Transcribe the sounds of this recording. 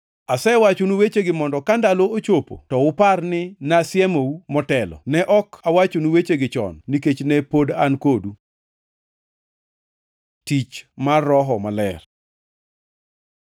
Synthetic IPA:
asɛwat͡ʃunuwet͡ʃeɡɪmɔndɔkandaloot͡ʃopo̰tɔʊparnɪnasɪɛmoumɔtɛlɔ̰nɛʔɔkawat͡ʃonuwet͡ʃeɡɪt͡ʃɔ̰nːiket͡ʃnɛpodankodu | tit͡ʃmarːɔɦɔmalɛr

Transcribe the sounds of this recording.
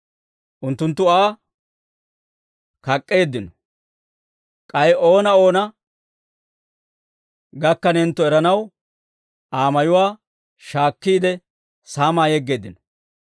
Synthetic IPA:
ʔʊnt̪ːʊnt̪ːʊaː | kɐkʼːe̞ːd̪ːɪnɔ | kʼɐjo̞ːnɐo̞ːnɐ | ɡɐkːɐnɛnt̪ːɔɛɾɐnɐw | ʔaːmɐjʊwaː | ʃaːkːiːd̪ɛ | saːmaːjɛɡːe̞ːd̪ːɪnɔ̥

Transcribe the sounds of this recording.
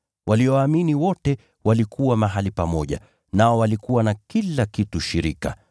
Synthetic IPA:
wʔaliɔwaːminiwɔtɛ | walikuwamaɦalipamɔʄa̰ | naɔwalikuwanakilakituʃiɾika̰

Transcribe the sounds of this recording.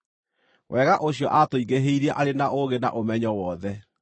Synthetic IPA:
wʔɛːɣaʔoɕijɔʔatoiɣeɦeiɾɛʔaɾenaʔoɣena̰ʔomɛɲɔwɔðɛ

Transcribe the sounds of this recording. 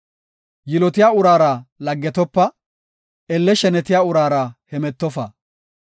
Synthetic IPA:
jɪlɔt̪ɪjaːʊɾaːɾɐlɐɡːɛt̪ɔpːɐ | ɛlːɛʃɛnɛt̪ɪjaːʊɾaːɾɐhɛmɛt̪ːɔfɐ̰

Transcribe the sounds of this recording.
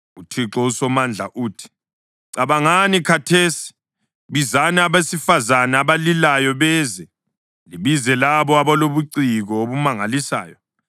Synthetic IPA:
utʰiǁɔusɔmand͡ɮʱaʔuːtʰi̥ | ǀaβaŋanikʰatʰeːsi̥ | βizanɛaβesifazanaːβalilajɔβɛːzɛ | liβizɛlaβɔaβaloβuǀiɣɔoβumaŋalisa̰ːjɔ

